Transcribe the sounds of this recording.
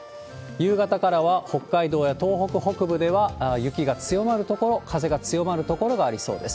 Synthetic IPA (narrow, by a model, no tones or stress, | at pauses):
jɯːɡat̪akaɾaβaho̞kːaid̪o̞ːjat̪o̞ːɦo̞kɯ̟ho̞kɯ̟bɯ̟d̪e̞βajɯ̟kʲiɡat͡sɨjo̞maɾɯ̟t̪o̞ko̞ɾo̞kʰaze̞ɡat͡sɨjo̞maɾɯ̟t̪o̞ko̞ɾo̞ɡaːɾʲiso̞̰ːd̪e̞sɨ̥